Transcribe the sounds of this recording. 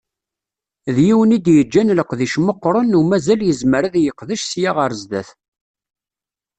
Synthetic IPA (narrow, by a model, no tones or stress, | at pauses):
ðjiwənid̪jəd͡ʒːænləqðiʃməqːɾˤənumæzæljəzməɾæðjəqðəʃsjaʁəɾzd̪æθ